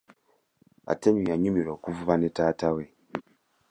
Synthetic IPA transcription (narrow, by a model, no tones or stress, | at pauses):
a̰teɲujaɲumiɾoːkuvuβanetaːtawe